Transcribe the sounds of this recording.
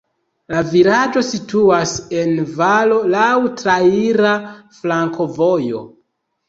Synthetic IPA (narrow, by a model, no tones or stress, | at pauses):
lavilad͡ʒo̞situase̞nvalolawtɾaiɾaflaŋkʰo̞vo̞jo̞̰